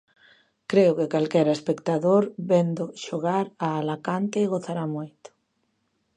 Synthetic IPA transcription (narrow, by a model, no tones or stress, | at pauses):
kɾeokekalkɛɾaespekt̪aðoɾβend̪oʃoɣaɾaːlakant̪eɣoθaɾamojt̪o̥